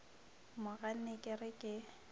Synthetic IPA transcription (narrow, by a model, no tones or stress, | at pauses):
mʊɣan̩nekʼɪrɪkʼɪ